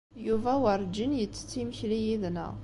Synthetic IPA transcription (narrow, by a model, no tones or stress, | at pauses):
juvæwəɾˤd͡ʒinjət͡sːə̥t͡sːiməçlijiðnə̰ʁ